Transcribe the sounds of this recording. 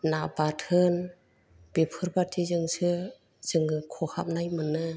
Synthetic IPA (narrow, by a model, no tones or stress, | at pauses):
nabatʰɯn | b̥epʰɯɾbatʰizɯŋsɯ | z̥ɯŋɯkʰɔha̰p̚najmɯnɯ